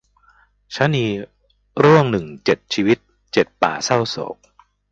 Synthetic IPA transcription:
t͡ɕʰa˦˥niː˧ | ɾɯ˥˩əŋnɯ˨˩ŋt͡ɕe˨˩t̪̚t͡ɕʰiː˧wi˦˥t̪̚ | t͡ɕe˨˩t̪̚pa̰ː˨˩sa˥˩wso̰ː˨˩˦k̚

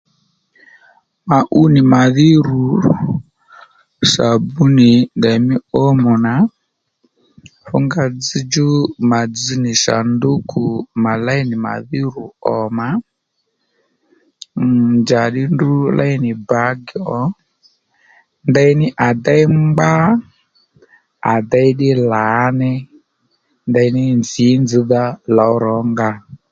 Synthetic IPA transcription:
ma˨ʔu˦nɪ˨ma˨ði˦ɾu˨ | sa˨bu˦nɪ˨ndɛ˨mɪ˦o˦mɔ˨na˨˦ | fʊ̰˦ŋɡa˧d͡zi˦d͡ʒu˦ma˨d͡zi˦nɪ˨sa̰˨ndo˦kʰu˨ma˨la˦i˦nɪ˨ma̰˨ði˦ɾu˨ɔ˨ma˨˦˨ | nd͡ʒa˨ɗi˦ndu˦lʔa̰˦i˦ni˨ba˨˦ɡɔ˨˦ | nda˦i˦nɪ˦ʔa˨da˦i˦mɡ͡ba˦ | a˨d̪a˦i˦ɗi˦la˨˦nɛ˦ | nda˦i˦ni˦nd͡zi˨˦nd͡zi˨˦ða˦la˨ɔ˦ɾɔ˨˦ŋɡa˦

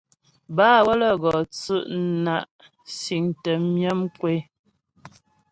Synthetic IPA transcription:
baː˦˨wə˦lə˨ɡɔ˨t͡sʉ˦ʔna˨ʔ | si˨ŋtə˨mjə˦mkwe˦

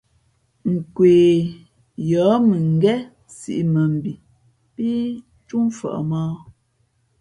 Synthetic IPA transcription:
ŋ̩˨kweː˨ | jɔː˨˦mɨ˨ŋ̩˦ɡɛ˦ | sḭ˦˨ʔmə˨m̩˨bi˨ | pi˦ | t͡ʃu˦m˦fa̰˨ʔmaː˦

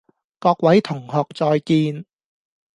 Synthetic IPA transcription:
kɔː˧k̚wɐ˨˥jt̪ʰʊ˨˩ŋhɔː˨k̚t͡sɔː˧jkiː˧n

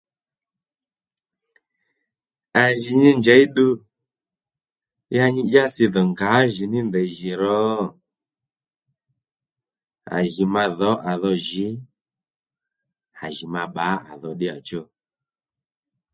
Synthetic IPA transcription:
a˨ʒi˨ɲi˧nd͡ʒɛ˨˦i˦ɗu˧ | ja˧ɲi˧ʄa˦si˧ðɔ˨ŋɡa˨˦ʒi˨nɪ˦ndɛ˨ʒi˨ɾɔ˨˦ | a̰˨ʒi˨ma˧ðɔ˨˦ʔa˨ðɔ˧ʒi˨˦ | a̰˨ʒi˨ma˧ɓa˨˦a̰˨ðɔ˧ɗɪ˦a˨t͡ʃo˦˨

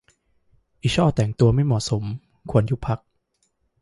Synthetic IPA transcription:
ʔi˨˩t͡ɕʰɔː˥˩t̪ɛː˨˩ŋt̪u˧ɐma˥˩jmɔː˨˩so˩˦m | kʰu˧ənju˦˥pʰa˦˥k̚

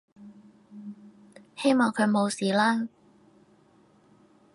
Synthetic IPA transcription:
he˥jmɔː˨ŋkʰɵ˨˧ɥmo˨˧wsiː˨laː˥

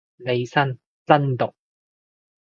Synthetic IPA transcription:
ne˨˧jsɐ˥n | t͡sɐ˥nt̪ʊ˨k̚

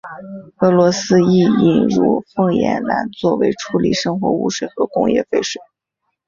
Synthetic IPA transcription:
ɤ˧˥lwɔ˧˥sɹ̩˥i˥˩i˨˥˩nɻṵ˥˩fɤ˥˧ŋjɛ̰˧˥nla˧˥nt͡swɔ˥˩we˧˥ɪʈ͡ʂʰu˧˥li˨˩ʂɤ˥ŋxwɔ̰˧˥ṵ˥˩ʂwe˨˩ɪxɤ˧˥kʊ˥ŋjɛ̰˥˧fe˥˩ɪʂwe˨˩ɪ

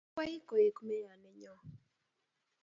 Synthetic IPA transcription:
a˦ji˦kɔ˨je˨kmɛ˦ja˨nɛ˨ɲɔ˦

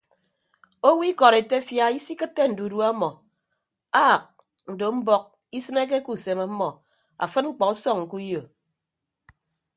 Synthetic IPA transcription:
o˦wi˦kɔ˨ɾe˨te˦fja˦i˦si˦kɨ˦tːe˦n̩˨du˨du˦a˦mɔ˨ | a˦˨k̚ | n̩˨do˨m̩˦bɔ˦k̚ | i˦sɨ˦ne˦k̬e˦ku˨se˨ma˨˦mɔ˨ | a̰˨fɨ˦t̚ŋ͡m̩˦k͡pɔ˨u˦sɔ˦˨ŋŋ̩˨ku˦jo˨

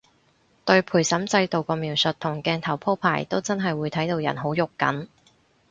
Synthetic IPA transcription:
t̪ɵ˧ɥpʰuː˨˩jsɐ˨˥mt͡sɐ˧jt̪o˨wkɔː˧miː˨˩wsɵ˨t̪̚ʰʊ˨˩ŋkɛː˧nt̪ʰɐ˨˩wpʰo˥wpʰaː˨˩jt̪o˥wt͡sɐ˥nɦɐ˨jwuː˨˧jt̪ʰɐ˨˥jt̪o˧wjɐ̰˨˩nɦo˨˥wjʊ˨kːɐ̰˨˥n

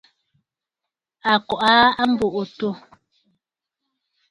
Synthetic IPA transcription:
a˨kɔ˨ʔa˦a˦m̩˦bo˨ʔo˨to˦˨

